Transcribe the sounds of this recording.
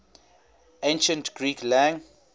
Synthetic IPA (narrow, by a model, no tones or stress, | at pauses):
ẽnʃə̃ntɡ̥ɹiːklæ̃ŋ